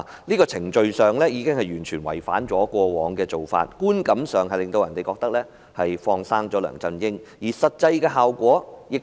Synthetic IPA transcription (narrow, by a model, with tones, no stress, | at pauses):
niː˥kɔː˧t͡sʰɪ˨˩ŋt͡ʃɵ˧ɥsœː˨ŋlɛː˥jiː˨˧kɪ˥ŋhɐ˨jɥyː˨˩nt͡ʃʰyː˨˩nwɐ̰˨˩jfa̰ː˨˥nt͡sɔː˨˥kʷɔː˧wɔː˨˧ŋkɛː˧t͡so˨wfa̰ː˧t̚kuː˥nkɐ˨˥msœː˨ŋɦɐ˨jlɪ˨ŋt̪o˧wjɐ˨˩nt̪e˨jkɔː˧k̚t̪ɐ˥k̚lɛː˥ | hɐ˨jfɔː˧ŋsaː˥ŋt͡sɔː˨˥lœ̰ː˨˩ŋt͡sɐ˧njɪ˥ŋjiː˨˩sɐ˨t̚t͡sɐ˧jkɛː˧ɦaː˨wkʷɔː˨˥jɪ˨k̚